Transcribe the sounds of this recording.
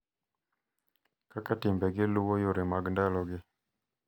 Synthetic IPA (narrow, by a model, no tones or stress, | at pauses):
kakatɪmbɛɡɪluwojoɾɪmaɡndalɔɡɪ